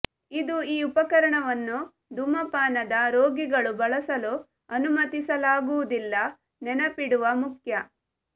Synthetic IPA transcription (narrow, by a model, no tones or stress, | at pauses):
id̪uiːupɐkɐɾɐɳɐʋɐnːu | d̪umɐpaːnɐd̪ɐɾoːɡiɡɐɭubɐɭɐsɐlu | ɐnumɐt̪isɐlaːɡuʋud̪ilːɐ | nɛnɐpiɽuʋɐmukjɐ